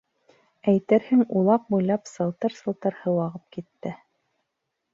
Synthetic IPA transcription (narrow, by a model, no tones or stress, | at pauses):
æjt̪ɘɾhɘŋulˠɑp̚bujlˠɑpsɤ̆lˠt̪ɤɾsɤ̆lˠt̪ɤɾhɤ̆wɑʁɤp̚kit̪ːɘ